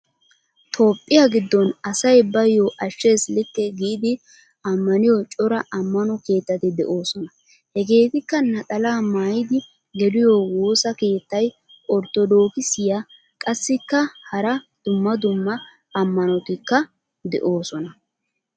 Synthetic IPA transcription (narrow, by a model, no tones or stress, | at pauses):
t̪ʰo̞ːpʼːɪjɐɡɪd̪ːɔnɐsɐjbɐjːoʔɐʃːe̞ːslɪkːɛɡiːd̪ɪ | ɐmːɐnɪjɔt͡ʃʼɔɾɐʔɐmːɐnɔke̞ːt̪ːɐt̪ɪd̪ɛ̰ʔoːsɔnɐ | hɛɡe̞ːt̪ɪkːɐnɐt̪ʼɐlaːmaːjɪd̪ɪ | ɡɛlɪjowo̞ːsɐke̞ːt̪ːɐj | ɔɾt̪ːɔd̪o̞ːkɪsɪja | kʼɐsːɪkːɐhɐɾɐd̪̥ʊmːɐd̪ʊmːɐ | ɐmːɐnɔt̪ɪkːɐ | d̪ɛ̰ʔo̞ːsɔnɐ